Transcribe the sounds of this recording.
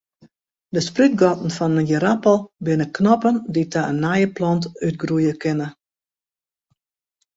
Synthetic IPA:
dəspryt̚ɡɔtn̩fɔnənjəɾapəlˠbɪnəknɔpənditʰaənːajəplɔntyt̚ɡrujəkɪnə

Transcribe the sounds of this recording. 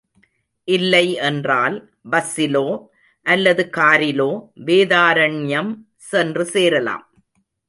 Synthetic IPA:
ʔɪlːɐɪʔɛndraːl | bɐsɪloː | ʔɐlːɐðɯkaːɾɪloːʋeːðaːɾɐɳjɐm | sɛndrɯseːɾɐla̰ːm

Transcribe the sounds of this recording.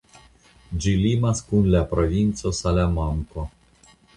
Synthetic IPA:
d͡ʒilimaskunlapɾovint̪sosalamamko

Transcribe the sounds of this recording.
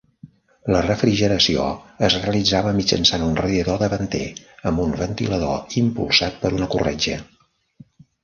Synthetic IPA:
lərəfɾiʒəɾəsio̰əzreəlid͡zaβəmid͡ʒə̰nsanunrəjəðoðəβənt̪ḛəmbumbənt̪iləðo̰impṵlˠsat̪̚pəɾunəkurɛd͡ʒə

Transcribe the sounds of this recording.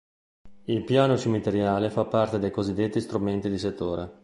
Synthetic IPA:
ilpjaːnot͡ʃemit̪eɾjaːlefapːart̪ed̪ejkozid̪ːet̪ːist̪ɾument̪id̪iset̪ːoːɾe

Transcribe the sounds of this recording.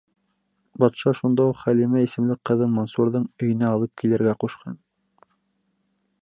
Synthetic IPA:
bɑt̪ʃɑʃund̪ɑuqχælimæisɘ̆mlɘk̚qːɤ̆ðɤnmonsuɾðɤɴɵ̆jɘ̆næɑlˠɤp̚kilɘ̆ɾɡæquʃqʰɑn

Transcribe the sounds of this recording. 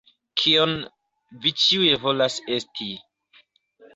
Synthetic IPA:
kʰion | vit͡ʃiujevo̞lase̞stʰi

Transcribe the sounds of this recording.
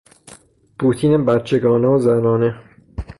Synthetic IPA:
pʰuːt̪ʰiːnebæt̪t͡ʃʰeɡɒːneozænɒːne

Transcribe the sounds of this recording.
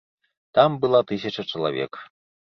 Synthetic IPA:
t̪ɑmbɨlˠɑt̪ɨs̬ʲət͡ʃət͡ʃə̆lˠavʲḛk

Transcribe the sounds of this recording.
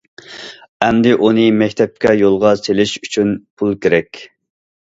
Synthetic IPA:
ɛmd̪ɪʔunɨmɛkʲt̪ʰɛp̚kʲɛjolˠʁɑselɪʃyt͡ʃʰynpʰulˠkʲʰeɾɛkʲ

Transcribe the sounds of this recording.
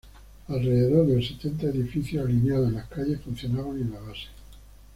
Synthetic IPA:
alre̞ðe̞ðoɾðe̞lse̞t̪e̞nt̪aeðifiθjoalinjaðoenlahkaʎe̞hfun̟θjonaβanenaβase̥

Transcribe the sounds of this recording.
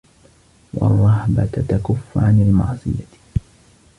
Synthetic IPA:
wɑ̰rˤːɑhbat̪at̪akʊfːʕanalmɑ̰ʕsˤɨ̰ja

